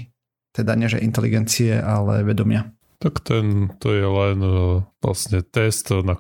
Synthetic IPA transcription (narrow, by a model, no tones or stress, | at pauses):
t̪ɛd̪aɲɛʒɛ̰ʔint̪ɛlḭɡɛnt͡siɛʔalɛ̰ʋɛd̪ɔmɪa | t̪akt̪ɛnt̪ɔjɛlɛnla̰sɲɛt̪ɛst̪na